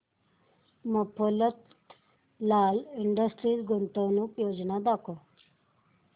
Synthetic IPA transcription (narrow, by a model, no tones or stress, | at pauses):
məpʰolət̪ | laːlɪɳɖəsʈɾiːsɡʊɳt̪onũpjoːd͡ʒnad̪akʰo